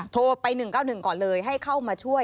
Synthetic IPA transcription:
t̪ʰoː˧pa˧jnɯ˨˩ŋkaː˥˩wnɯ˨˩ŋkɔː˨˩nlɤː˧jɦa˥˩jkʰa˥˩wmaː˧t͡ɕʰu˥˩əj

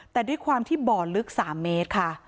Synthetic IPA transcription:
t̪ɛː˨˩duː˥˩˨jkʰwaː˧mt̪ʰiː˥˩bɔː˨˩lɯ˦˥k̚saː˩˦mːeː˦˥t̪̚kʰa˥˩

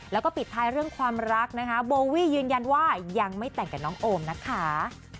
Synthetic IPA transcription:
lɛː˦˥wkɔː˥˩pi˨˩t̪ʰːaː˦˥jɾɯ˥˩əŋkʰwaː˧mɾa˦˥k̚na˦˥kʰa˦˥boː˧wiː˥˩jɯː˧nja˧nwaː˥˩ja˧ŋma˥˩jt̪ɛ˨˩ŋkɛː˨˩nɔː˦˥ŋʔoː˧mna˦˥kʰa˦˥

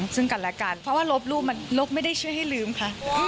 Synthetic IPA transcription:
ŋsɯ˥˩ŋka˨˩lɛː˧˥kaː˧npʰɾɔ˦waː˥˩lo˦˥p̚luː˥˩p̚ma˧nlo˦˥p̚ma˥˩jda˥˩jt͡ɕʰu˥˩əjɦa˥˩jlɯː˧˩mkʰa˦˥

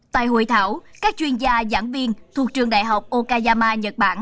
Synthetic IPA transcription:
t̪a̰ː˧˨jɦo̰˧˩jt̪ʰaː˧˩˦wkaː˦˥k̚t͡ɕwi˧ənzaː˧za̰ː˧˩mvi˧ənt̪ʰu˨˩k̚t͡ɕɨ˨˩əŋɗa̰ː˧˨jɦa˨˩wk͡p̚ʔo˧kaː˧zaː˧maː˧ɲə˨˩t̚ɓaː˧˩n

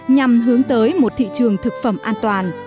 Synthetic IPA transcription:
ɲa˨˩mɦɨ˨˦əŋt̪əː˨˦jmo˨˩t̚t̪ʰḭ˧˨t͡ɕɨ˨˩əŋt̪ʰɨ˨˩k̚fə˧˩mʔaː˧nt̪waː˨˩n

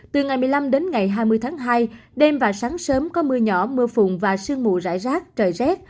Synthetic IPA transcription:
t̪ɨ˨˩ŋa˨˩jmɨ˨əjla˧mɗe˨˦nŋa˨˩jɦaː˧jmɨ˧əjt̪ʰaː˨˦ŋɦaː˧jɗe˧mvaː˨˩saː˨˦ŋsəː˨˦mkɔ˨˦mɨ˧əɲɔ˧˩mɨ˧əfʊ̰˧˨ŋ͡mvaː˨˩sɨ˧əŋmṵ˧˨za̰ː˧˥˨jzaː˦˥k̚t͡ɕəː˨˩jzɛ˦˥t̚

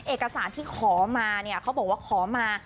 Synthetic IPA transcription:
ʔeː˨˩kːa˧saː˩˦nt̪ʰiː˥˩kʰɔː˩˦maː˧ni˥˩ɐkʰa˦˥wbɔː˨˩k̚waː˥˩kʰɔː˩˦maː˧

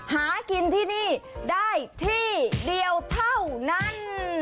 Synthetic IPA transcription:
haː˨˩˦ki˧nt̪ʰiː˥˩niː˧˥˩daː˥˩jt̪ʰiː˧˥˩di˧əwt̪ʰa˥˩wna˧˥˩n

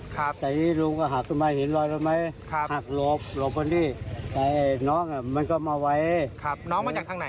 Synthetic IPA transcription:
t̪ɛː˨˩niː˦˧˥lu˧ŋkɔː˧˩ɦaː˨˩k̚kʰɯ˧˨ma˧˩jhe˨˦nlɔː˧˩jɾɔ˧ma˦˥jʰhaː˨˩k̚lo˧˦˩p̚lo˨˧˩p̚ka˧ndiː˧˩t̪ɛː˨˩˧nɔː˦˥˨ŋa˧˩ma˧˥˨nkɔː˧˩maː˧wa˧˥jnɔ˦˥ŋa˧˨aː˨˩˦na˨˦

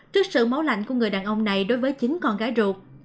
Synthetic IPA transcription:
t͡ɕɨ˦˥ək̚sɨ̰˧˨ma˨˦wla̰˧˨jŋ̟ku˧˩əŋɨ˨˩əjɗaː˨˩nʔə˧wŋ͡mna˨˩jɗo˨˦jvəː˨˦jt͡ɕï˨˦ŋ̟kɔ˧˩nɣaː˨˦jzu˨˩k̚

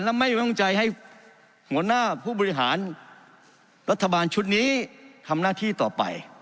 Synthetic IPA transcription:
nlɛː˧˥ma˥˩jwe˧˥˨ŋt͡ɕa˧jha˧˥˩j | hu˩˦ɐnaː˥˩pʰuː˥˩bɔː˧ɾi˦˥ɦaː˩˦n | ɾa˦˥t̪ʰːa˧baː˧nt͡ɕʰu˦˥t̪̚niː˦˥t̪ʰa˧mnaː˧˥˩t̪ʰiː˥˩t̪ɔː˨˩pa̰˨j

